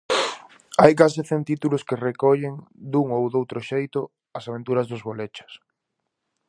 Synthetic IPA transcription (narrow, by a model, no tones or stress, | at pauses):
ajkas̬ɪθent̪it̪ulʊskerekɔʎeŋd̪uŋowðowt̪ɾʊʃejt̪ʊ | ɐsaβ̞ẽnt̪uɾɐzðʊzβolet͡ʃɐ̥s